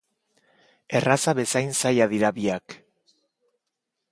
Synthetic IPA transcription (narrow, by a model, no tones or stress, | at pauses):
e̞rasaβe̞sajnsajaðiɾaβiak